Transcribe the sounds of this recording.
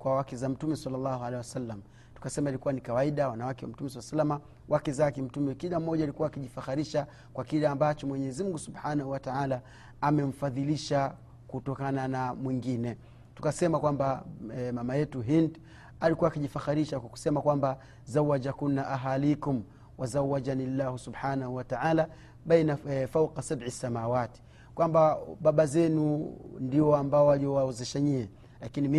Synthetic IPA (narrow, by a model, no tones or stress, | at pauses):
kwawakɛzam̩tumɛsalːalːahualeiwasalːam | tu̥kasɛmailikuwanikawaiɗawanawakɛwa̰m̩tumɛs̬alːasalːama | wʔakɛzakɛm̩tumɛkilam̩ːɔʄaːlikuwaːkiʄifaxaɾiʃa | kwakilɛambat͡ʃɔmwɛɲɛzimuŋɡusubħanahuwataʕalaː | mɛm̩faðiliʃa | kutɔkananamwiŋɡinɛ | tu̥kasɛmakwambamamajɛtuɦind | alikuwaːkiʄifaxaɾiʃakwaku̥sɛmakwamba | zawːad͡ʒakunːaʔaɦalikum | wazawad͡ʒanilːahusubħaːnahuwataʕaːla | ɓajnafawqasabʕisːamaːwati̥ | kwambaɓaɓazɛnundiɔambaɔwaliɔwaɛzɛʃaɲiɛ | lakinim